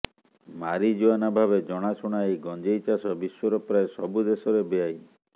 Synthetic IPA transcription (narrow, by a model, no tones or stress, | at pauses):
maɾid͡ʒoanabʱabed͡ʒɔɽ̃asuɽ̃aejɡɔnd͡ʒejt͡ʃasɔbiswɔɾɔpɾaesɔbud̪esɔɾebeaj